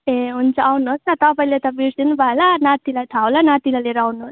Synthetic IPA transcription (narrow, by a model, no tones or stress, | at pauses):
eunt͡ʃaawnosnat̪apajlet̪abisinubʱalanat̪ilat̪ʰawlanaːt̪ilaleɾawnos